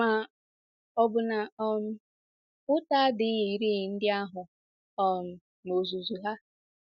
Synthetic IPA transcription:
ma˨ | ɔ˨bʊ˨na˨ɔ˨n̩˦ | ʊ˦ta˦dɪ˨˦i˨ɾi˦˨n̩˦dɪ˦a˦ɦʊ˨ | ɔ˨n̩˨ | mo˨zu˨zu˨ɦa˦

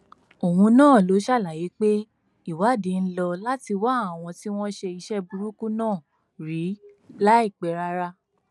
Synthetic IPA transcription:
o˨wũ˧nãː˦˨lo˨˦ʃa˦˨la˨ji˨˦k͡pe˦ | i˦˨wa˨˦˨de˨˦˧n̩˦lɔ˧la˦ti˧wa˦a˨w̃ɔ̃˧ti˦w̃ɔ̃˦ʃe˧i˧ʃɛ˦bu˧ɾu˦ku˦nãː˦˨ | ɾi˨˦la˦i˦˨k͡pɛ˨ɾa˧ɾa˧

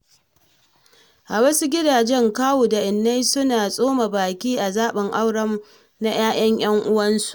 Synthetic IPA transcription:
ʔa˨wɐ˦su˦ɡʲɪ˦daː˨d͡ʒɛ˦ŋkaː˦wuː˨da˨ʔɪ˨nːa˦jsʊ˦naː˨sʼoː˦ma˨baː˨kʲiː˦ʔa˨zaː˦ɓɪ˨ŋʔa˦wɽɐ˦m | na˦j̰aː˦j̰ɐ˦ŋj̰ɐ˦ŋʔʊ˦wɐ˦nsu̥˨ʔ

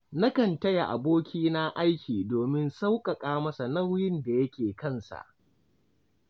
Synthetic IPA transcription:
na˦kɐ˨ntɐ˦ja˨ʔa̰˨boː˦kʲʰiː˦na˦ʔa˦jkʲiː˨doː˨mɪ˦nsa˦wkʼɐ˨kʼaː˦mɐ˦sa˨na˦wjɪ˦nda˨jɐ˦kʲeː˨kɐ˦˨nsa̰˨ʔ

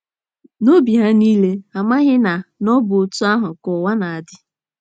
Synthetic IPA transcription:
no˦bi˨ɦa˦niː˦le˦a˨ma˦ɣɪ˦na˨nɔ˦bʊ˨o˨tu˦a˦ɦʊ˨kʊ˨wa˦na˨a˨dɪ˦

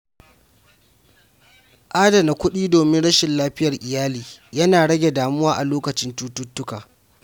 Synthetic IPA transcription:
ʔaː˦dɐ˨na˨kʷʊ˦ɗiː˦doː˨mɪ˦nɽɐ˦ʃɪ˨nlaː˦ɸɪ˦jɐ˨rʔɪ˨jaː˦liː˨jɐ˦naː˨ɽɐ˦ɡʲe˨daː˨mʊ˦waː˦ʔa˨loː˦kɐ˨t͡ʃɪ˦ntu˦tʊ˦tːʊ˦ka̰ː˨

